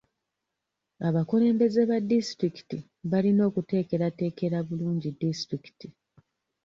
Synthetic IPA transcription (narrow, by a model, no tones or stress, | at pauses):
aβakule̞ːmbe̞zeβadistɾiki̥ti | βalino̞ːkute̞ːke̞ɾate̞ːke̞ɾaβuluːɲɟidistɾiki̥ti